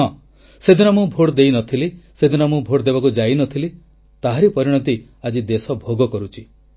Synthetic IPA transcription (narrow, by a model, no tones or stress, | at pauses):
ɔ̃ | sed̪ʱinɔmũbʱoɽd̪ejnɔt̪ʰilised̪ʱinɔmũbʱoɽd̪ebakud͡ʒainɔt̪ʰili | t̪aɦaɾipɔɾiɽ̃ɔt̪i | ad͡ʒid̪esɔbʱoɡɔkɔɾut͡ʃʰi